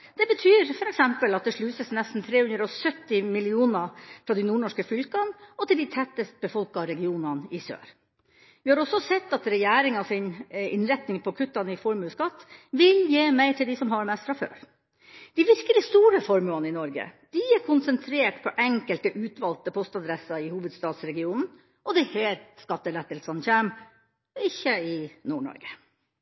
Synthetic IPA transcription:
d̪̥ɛbət̪ʰyːɾfɔɾɛksɛmpəlɑt̪̚d̪ɛʂɭʉːsəsnɛst̪n̩t̪ʰɾeːhʉnd̪ɾɔsœt̪ːɪmɪlɪuːnəfɾɑːd̪ɛɪnuːɳɔʂkəfʏlkɑnɔt̪ɪld̪æɪt̪ʰɛt̪ːəst̪̚bəfɔlkɑɾɛɡɪuːnɑnɪsø̰ːɾ | ʋɪhɑɾɔsɔsɛt̪ːɑt̪ɾɛjæːɾɪŋɑsɪnɪnɾɛt̪nɪŋpʰɔkʰʉt̪ːɑnɪfɔɾmʉskɑt̪ːʋɪljeːmæɪʈʰɪld̪ɪsɔmɦɑɾmɛst̪fɾɑfø̰ːɾ | d̪̥ɪʋɪɾkəlɪst̪uːɾəfɔɾmʉɑnəɪnɔɾɡə̰d̪̥ɪæɾkʰʊnsənt̪ʰɾeːʈpʰɔʔɛŋkəlt̪əʔʉːt̪ʋɑlt̪əpʰɔst̪ɑd̪ɾɛsɑɪhuːʋəd̪st̪ɑːd̪sɾɛɡɪuːnn̩ | ʔɔd̪ɛheːɾskɑt̪ːəlɛt̪ːəlsɑnçæːm | ɪçːəɪnuːɳɔ̰ɾɡə̥

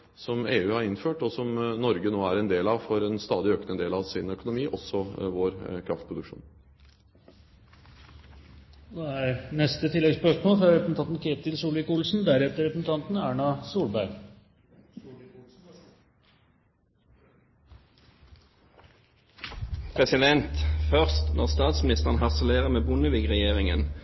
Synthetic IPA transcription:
sɔmeːʉːhɑɾɪnføːʈɔsɔmnɔɾɡənoːæɾɛnd̪eːlɑʋfɔɾɛnst̪ɑːd̪ɪøːknəd̪eːlɑʋsɪnœkʊnʊmiːʔɔsːɔʋoːɾkʰɾɑft̪pʰɾʊd̪ʉkʂṵːn | d̪ɛæɾnɛst̪ət̪ʰɪlːɛɡspœʂmoːlfɾɑɾɛpəsn̩ɑnt̪n̩kʰeːt̪ɪlsuːlɪkuːlsn̩d̪æɾɛt̪əɾɛpəsn̩t̪ʰɑnt̪næːɳɑsuːlbæɾɡ | pʰʁɛsɪd̪ɛnt̪fœʁst̪nɔʁst̪ɑːt̪smɪnɪst̪əʁənɦɑʁsəleːʁəmeːbʊnəʋiɡʁɛjeːʁɪŋə̰n

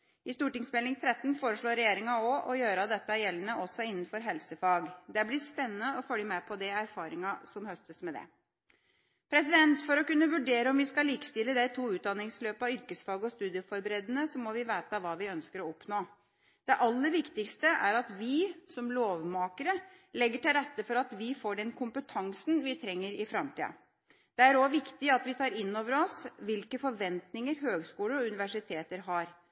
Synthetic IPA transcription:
ɪst̪uːʈɪŋsmɛlɪŋt̪ʰɾɛt̪ːn̩foːɾəʂɭoːɾːɛjeːɾɪŋɑɔʔɔjøːɾəɑd̪ɛt̪ːəæɾjɛlːənəʔɔsːɔɪnːn̩fɔɾɦɛlsəfɑːɡd̪ɛæblɪspɛnːənəɔfœljəmɛpʰɔd̪ɛæɾfɑːɾɪŋɑsɔmhœst̪əsmɛd̪ɛ̰ | pʰɾɛsɪd̪ɛnt̪fɔɾɔkʉnːəʋʉɖeːɾəɔmʋɪskɑliːkst̪ɪlːəd̪æɪt̪ʰuːʉːt̪̚d̪ɑnːɪŋsløːpɑʏɾkəsfɑːɡəɔst̪ʉːd̪ɪəfɔɾbəɾeːd̪ənəsɔmːɔʋɪʋæːt̪əɑʋɑːʋɪœnskəɾɔɔpnoː | d̪̥ɛʔɑlːəʋɪkt̪ɪkst̪əʔæɾɑt̪ʋɪsɔmloːʋmɑːkəɾə | lɛɡːəʈɪlɾɛt̪ːəfɔɾɑt̪ʋɪfoːɖɛnkʰʊmpət̪ʰɑŋsnʋɪt̪ʰɾɛŋːəɾɪfɾɑmt̪ʰḭːə̰ | d̪̥ɛæɾɔʋɪkt̪ɪɑt̪ʋɪt̪ʰɑːɾɪnːoːʋəɾɔsʋɪlkəfɔɾʋɛnt̪nɪŋəɾɦøːɡskuːləɾɔʉnɪʋæʂɪt̪ʰeːt̪əɾɦɑɾ

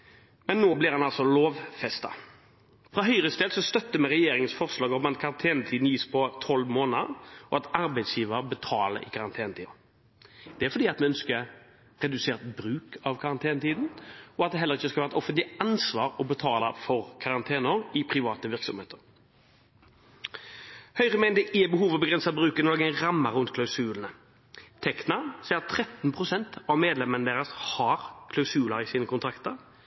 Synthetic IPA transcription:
mɛnːoːblɪʁhɑnɑlsɔloːʋfɛst̪ɑ̰ | fɾɑɦœʏɾəst̪eːd̪sɔst̪œt̪ːəmɛʁɛjeːɾɪŋənsfɔʁslɑːɡɔɔmɑt̪kʰɑɾɑnt̪ʰeːnət̪ʰiːd̪n̩jiːspʰɔt̪ʰɔlʋmoːnəəɔɑt̪ɑɾbæɪd̪sjiːʋəɾbət̪ʰɑːlə̰ɾɪ̰kʰɑɾɑnt̪ʰeːnət̪iː | d̪̥ɛæɾfɔd̪iːɑt̪mɛœnskə | ʁɛd̪ʉseːʁt̪bɾʉːkɑʋkʰɑʁɑnt̪ʰeːnət̪ʰiːd̪n̩ɔɑt̪̚d̪ɛɦɛləʁɪçːəskɑlæːʁɛt̪ɔfənt̪lɪɑnsʋɑːɾɔbət̪ʰɑːlɑfɔʁkʰɑʁɑnt̪ʰeːnəɾɪpʰʁɪʋɑːt̪əʋɪʁksɔmhḛːt̪ʰəʁ | hœʏʁəmɛːnd̪ɛʔɪːbəɦuːʋɔbəɡʁɛnsɑbʁʉːkɛnɔɡɛɾɑmːəɾʁʉnt̪kʰlɑʉsʉːln̩ə | t̪ʰɛknɑsɛːɑt̪ʰːɾɛt̪npʰʁʊsɛnt̪ɑʋmeːd̪lɛmənəd̪eːʁəshɑɾkʰlɑʉsʉːlɑɾɪsiːnəkʊnt̪ʰɾɑkt̪əɾ

